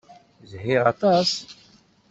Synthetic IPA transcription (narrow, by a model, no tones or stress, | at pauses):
zhiʁat̪as